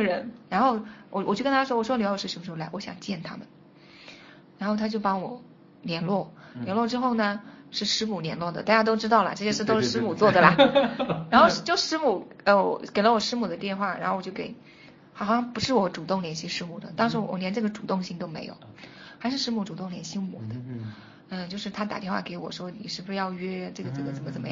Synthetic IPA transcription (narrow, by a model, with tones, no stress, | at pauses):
ɻə˧˥nɻa˧˥nxo˥˧ʊwɔ˨˩wjo˥˩kə˥nt̪ʰa˥ʂwɔ˥wɔ˨˩ʂɔ˥˧˥ʂɻ̩˥˩ʂ̩˧˩˥ʂ̩˥˧˩la˧˥wɔ˧˥ɕjɑ̰˨˩ŋt͡ɕjɛ˥˩nt̪ʰa̰˥mə˨n | ɻa˧˥nxo˥˩ʊt̪ʰa˥t͡ɕjo˥˩ʊpɑ˥ŋwɔ˨˩˦ | ljɛ˧˥nlwɔ˥˩ljɛ˧˥nlwɔ˥˩ʈ͡ʂɻ̩˥xo˥˩ʊnə˩ʂɻ̩˥˩ʂɻ̩˧˥mu˨˩ljɛ˧˥nlwɔ˥˩d̪ə̰˩t̪a˥˩t͡ɕja˥t̪̬o˥ʊʈ͡ʂɻ̩˥t̪ɑ˥˩ʊlə̰˩ʈ͡ʂɤ˥˩ɕjɛ˥ʂɻ̩˥˩t̪o˥ʊʂɻ̩˥˧ʂɻ̩˥mu˨˩t͡swɔ˥˩d̪ə˩lɐ˩ɻa˧˥nxo˥˧ʊʂ̩˥˩t͡ɕjo˥˧ʊ˧ʂɻ̩˧˥mu˨˩ | ə˥˧ɔ̰˨˩ke˨˩ɪlə˦wɔ˨˩ʂɻ̩˥mu˨˩d̪ə˦t̪jɛ˥˧nxwa˥˩ɻa˧˥xo˥˩wɔ˨˩t͡ɕo˥˩˧ke˧˩ɪ | xɑ˨˩ʊ˩ɕɑ˥ŋpu˧˥ʂɻ̩˥˩wɔ˧˩˥ʈ͡ʂu˨˩t̪ʊ˥˩ŋljɛ˧˥nɕi˥ʂɻ̩˥mu˨˩d̪ə̰˦t̪ɑ˥ŋʂɻ̩˧˥wwɔ̰˨˩njɛ˧˥nʈ͡ʂɤ˥˩ɡə˩ʈ͡ʂu˨˩t̪ʊ˥˧ŋɕi˥˧ŋt̪o˥ʊme˧˥ɪjo̰˨˩ʊxa˧˥ɪʂɻ̩˥˧ʂɻ̩˧˥mu˧˥ʈ͡ʂu˨˩t̪ʊ˥˩ŋljɛ˧˥nɕi˧˥˩mɔ̰˨˩˦d̪ə˦ | ə˥˧t͡ɕjo˥˧ʊʂɻ̩˥˩t̪ʰa˥t̪a̰˨˩t̪jɛ˥˧nxwa˥˩ke˧˥ɪwɔ̰˨˩ʂwɔ˥ni˨˩ʂɻ̩˥˧bu˧ʂɻ̩˥˩jɑ˥˧ʊɥɛ˥ʈ͡ʂɤ˥˩ɡə˩ʈ͡ʂɤ˥˩ɡə˩t͡sə˨˩mə˦t͡sə˨˩mə˦˥